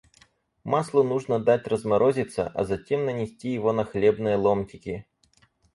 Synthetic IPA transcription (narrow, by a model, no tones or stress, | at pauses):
mɑslˠʊnuʐnɐd̪atʲrɐzmɐɾʔɔzʲɪt̪sːɐ̰ʔɐ̰zɐtʲimnɐnʲɪsʲtʲijɪʋɔnɐxlʲɛbnɨjɐlˠɔmkʲɪkʲɪ